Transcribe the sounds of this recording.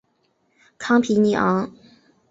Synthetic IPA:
kʰɑ˥ŋpʰi˧˥ni˧˥ʔɑ̰˧˥ŋ

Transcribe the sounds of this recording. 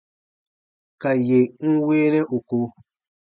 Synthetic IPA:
ka˨je˨ŋ̩˦we˦nɛ̃˦ʔu˨ko˧

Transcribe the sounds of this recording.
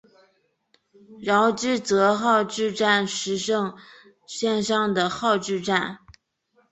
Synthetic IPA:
ɻɑ˧˥ʊʈ͡ʂɻ̩˥˩t͡sɤ˧˥xɑ˥˧ʊʈ͡ʂɻ̩˥˧ʈ͡ʂa˥˩nʂɻ̩˧˥ʂɤ˥˧ŋ | ɕjɛ˥˧nʂɑ˥˩ŋd̪ə˩xɑ˥˧ʊʈ͡ʂɻ̩˥˧ʈ͡ʂa˥˩n

